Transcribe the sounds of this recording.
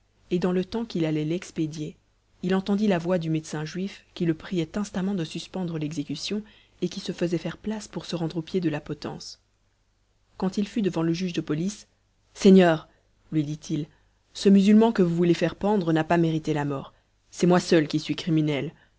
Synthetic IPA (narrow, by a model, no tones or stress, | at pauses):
ed̪ɑ̃lət̪ɑ̃kilalɛlɛksped̪je | ilɑ̃t̪ɑ̃d̪ilavwad̪ymed̪sɛ̃ʒɥifkʲiləpχijɛt̪ɛ̃st̪amɑ̃d̪əsyspɑ̃d̪ʁəlɛɡzekysjɔ̃ | ekʲisəfəzɛfɛʁplaspuʁsəʁɑ̃d̪ʁopjed̪əlapɔt̪ɑ̰̃s | kɑ̃t̪ilfyd̪əvɑ̃ləʒyʒd̪əpɔlisː | eɲœːʁ | lɥid̪it̪ʰil | səmyzylmɑ̃kəvuvulefɛʁpɑ̃d̪ʁənapameʁit̪elamɔːʁ | sɛmwasœlkʲisɥikχiminɛl